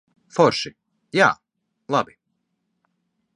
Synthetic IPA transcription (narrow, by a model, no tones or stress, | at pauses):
foɾʃi | ja̰ː | lˠabi